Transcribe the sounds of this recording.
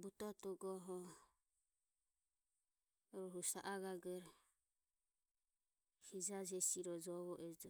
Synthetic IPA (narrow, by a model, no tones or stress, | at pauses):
but̪ɔt̪ɔɡɔɦɔ | ɾɔɦusaʔaɡaɡɛɾ | hid͡ʒad͡ʒɛsiɾɔd͡ʒɔβɔʔɛd͡ʒɔ